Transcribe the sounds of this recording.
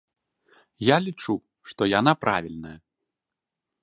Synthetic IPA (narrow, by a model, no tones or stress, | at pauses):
jalʲit͡ʂu | ʂt̪ɔjanapɾʔavʲilʲnɐjɐ